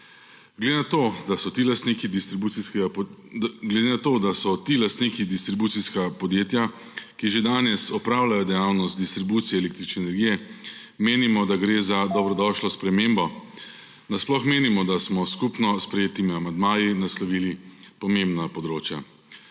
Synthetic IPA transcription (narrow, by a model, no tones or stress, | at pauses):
ɡ̪od̪asɔt̪iːlast̪nikid̪it̪ɾibusiskɛɡa | ɡled̪enat̪oːd̪asɔt̪ilast̪niːkid̪ist̪ɾibuːt̪siskapɔd̪jeːt̪ja | kiʒed̪aːnɛsɔpɾaːwlajɔd̪ɛjawnɔst̪̚d̪ist̪ɾibuːt̪sijɛːleːk̚t̪ɾit͡ʃnɛːnɛɾɡiːjɛ | meːnimɔd̪aɡɾeːzad̪ɔbɾɔd̪ɔʃlɔspɾɛmeːmbɔ | nasplɔxmeːnimɔd̪asmɔskupnɔspɾɛjeːt̪imiamand̪maːjinaslɔʋiːli | pɔmembnapɔd̪ɾoːt͡ʃja